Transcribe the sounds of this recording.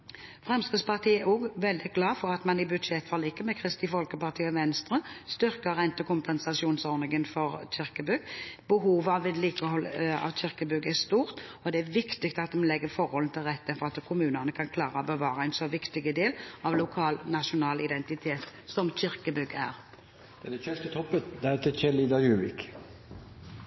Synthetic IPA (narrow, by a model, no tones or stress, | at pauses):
fʁɛmskəspɑʁt̪ʰiːɛɔɡʋɛld̪ɪɡ̥lɑːfɔʁɑt̪mɑnɪbʉd̪ʂɛt̪ːfɑlːɪkːəmɛkʰɾɪst̪ɪfɔlkəpɑʁt̪ʰiːɔʋɛnst̪ɾəst̪ʏʁkəʁɛnt̪ːəkʰʊmpɛnsɑsɪuːnsɔɾnɪŋənfɔɾc͡çɪʁkəbʉɡbəɦuːʋəɑʋɛd̪liːkəhɔlːɑ̰ʋçɪʁkəbʉɡəæst̪uːʁt̪ɔd̪ɛæʋɪkt̪ɪkt̪ɑt̪̚ːmlɛɡːəfɔʁhɔln̩t̪ʰɪlʁɛt̪ːəfɔʁɑt̪kʰʊmʉːnənəkʰɑnkʰlɑːʁəɔbəʋɑːɾəæɪnsɔʋɪkt̪ɪɡəd̪eːlɑʋlʊkʰɑːlnɑʃʊnɑːlɪd̪ɛnt̪ɪt̪ʰeːt̪sɔmçɪʁkəbʉɡæ̰ʁ | d̪̥ɛd̪æçœst̪ət̪ʰɔpːət̪d̪æɾt̪ʰɪçɛliːd̪ɑjʉːʋɪk